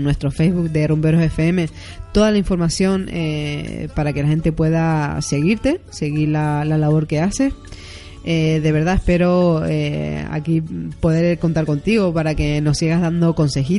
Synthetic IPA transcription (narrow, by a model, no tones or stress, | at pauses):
nwe̞st̪ɾofejzβuk̚d̪e̞rumpe̞ɾose̞feeme̞ | t̪o̞ðalaĩɱfo̞ɾmasjo̞ŋḛpaɾake̞laxe̞nt̪e̞pwe̞ðase̞ɣiɾt̪e̞se̞ɣiɾlalalaβ̞o̞ɾke̞ase̞s | eðe̞βe̞ɾðaehpe̞ɾo̞ḛa̰kipo̞ðe̞ɾko̞nt̪aɾko̞nt̪iɣo̞paɾake̞no̞siɣaɦðand̪o̞konse̞xi